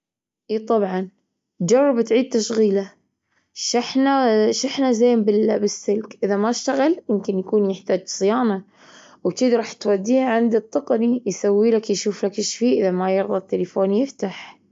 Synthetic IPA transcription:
ʔiːt̪ˤɑbʕɑn | d͡ʒɑrˤːɑbt̪ʕiːd̪̚t̪aʃɣiːla | ʃɪħnaʃɪħnazeːmbɪbɪsːɪlkʔɪðamaɪʃt̪aɣaljɪmkɪnjakuːnjɪħt̪aːd͡ʒsˤɨjaːna | wt̪id̪ɾˤɑːħt̪wad̪ːiːaʕɪnd̪it̪ˤːɑqɑnijsawːiːlakjʃuːflakɪʃfiːʔɪðamajɪɾðˤɑt̪ːɪlɪfoːnjɪft̪aħ

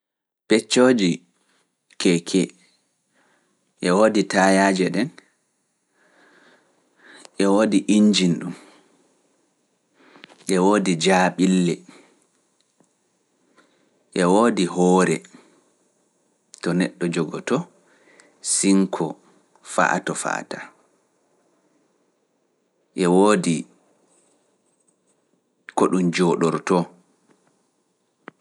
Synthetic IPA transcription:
pɛt͡ʃːod͡ʒi | kɛkʰɛ | ʔɛwoːditajaːd͡ʒɛɗɛn | ʔɛwoːdiʔiɲd͡ʒinɗum | ʔɛwoːdid͡ʒaːɓilːɛ | ʔɛwoːdiɦɔːɾɛ | tɔnɛɗːɔd͡ʒɔɡɔtɔ | siŋkʰɔ | fa̰ʔa̰tɔfa̰ta | ʔɛwoːdi | kɔɗumd͡ʒɔːɗɔɾtɔ

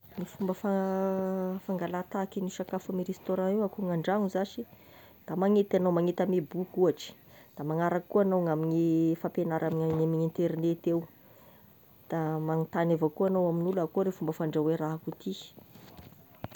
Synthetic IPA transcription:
nifumbəfa | faŋɡalat̪akiniʃakafamiɾest̪oɾãewakuŋaɳɖ͡ʐaŋuzaʃi | d̪̥amaŋet̪anowmaŋet̪əmebukuaʈ͡ʂi̥d̪̥amaŋaɾakkːuanawŋaminifapenaɾamiɲaŋamiŋint̪eɾinet̪ew | d̪̥amaŋit̪anavakuanowaminulakuɾefumbəfaɳɖ͡ʐaweɾaɦakut̪i̥

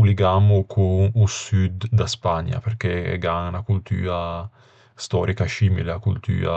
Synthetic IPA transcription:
liɡamʊkʰuusyd̪d̪aspaɲːa̰peɾkeɛ̰ɡaŋnakult̪y̰ːa | st̪ɔːɾʔikaʃiːmileakult̪y̰ːa̰

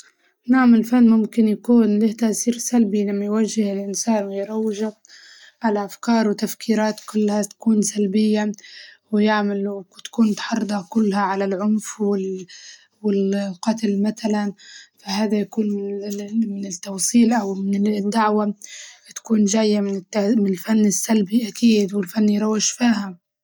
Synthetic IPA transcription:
naʕamɪlfanːmʊmkɪnjakuːnlɪht̪aʔsiːɾsalbilamːajwaʒːɪhɪlʔɪnsaːnwɪjɾˤɑwːɪʒa | ʕalaʔafkɑːɾˤwɪt̪afkʰiːɾɑːt̪kʊlːhat̪ḁkuːnsalbɪjːa | wɪjaʕmalt̪ḁkuːnt̪ħɑrˤd̪ˤɑkʊlːhaʕalalʕʊnfwɪ | wɪlqɑt̪lmaθalanfaɦaːðajakuːnmɪmɪnɪt̪ːɑwsˤiːlʔawmɪnɪd̪ːaʕwat̪ḁkuːnʒaːjːamɪnɪmɪnɪlfanːɪsːalbiʔakʰiːd̪wɪlfanːjɾˤɑwːɪʒfiːham

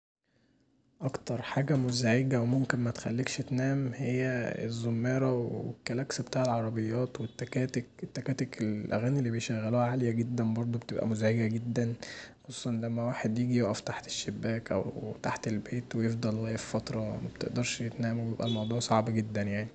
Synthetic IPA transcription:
ʔɑkt̪ɑɾˤħaːɡæmozæʕeɡæwemomkenmæt̪e̥xælːekʃet̪næːmhejːæḛzːomːæːɾæwekːælæksbet̪aːʕelʕɑɾˤɑbejːɑːt̪wet̪ːækæːt̪eket̪ːækæːt̪ekelʔæ̰ɣæːnilːibejʃæɣːælohæʕalejæɡed̪ːænbɑɾˤd̪ˤobet̪ebʔæ̰mozæʕeɡæɡed̪ːænxosˤuːsˤɑnlæmːæwaːħed̪jeːɡijoʔæft̪aħt̪e̥ʃːebːæːkʔæ̰wt̪aħt̪elbeːt̪wejefd̪ˤɑlɣæːjeffɑt̪ɾˤɑmæb̥̚t̪eʔd̪ɑɾˤʃjet̪næːmwebebʔælmɑwd̪ˤuːʕsˤɑʕbæɡed̪ːænjaʕni

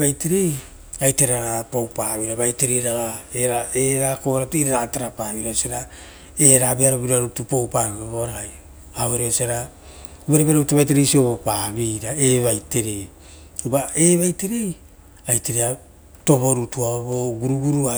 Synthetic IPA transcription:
βajteɾe̞j | ajteɾaɾapo̞wpaβiɾaβajte̞ɾejɾaɡaeɾaeɾako̞ɾatuiɾaɾataɾapaːβiɾasaɾa | eɾabeaɾoβiɾaɾutupo̞wpaβioβoɾaaj | aβeɾeosaɾa | βaɾeβaɾoutaβajte̞ɾejsio̞βo̞paβiɾaeβajte̞ɾe̞j | ubae̞βajte̞ɾe̞j | ajteɾea | to̞βo̞ɾutuaoβo̞ɡuɾuɡuɾua

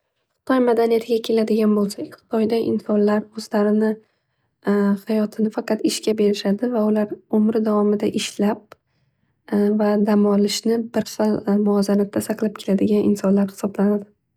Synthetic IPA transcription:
χɨ̥t̪ʰɒjmad̪anijat̪ʰɪɡʲakʲʰe̞lad̪ɪɡʲanbolˠsakʲχɨ̥t̪ʰɒjd̪aʔɪ̰nsɒnlaɾɵzlaɾɪnɪ | hajɒt̪ʰɪnɪfɑqʰɑt̪ɪʃkʲʰabe̞ɾɪʃad̪ɪvaʊlaɾomɾɪd̪avɒmɪd̪aʔɪʃlap̚ | vad̪amɒlɪʃnɪbɪɾfalmʊɒzanat̪ʰːasɑqlˠɪp̚kʲʰe̞lad̪ɪɡʲanɪnsɒnlaɾhɪ̥sɒblanad̪ɪ

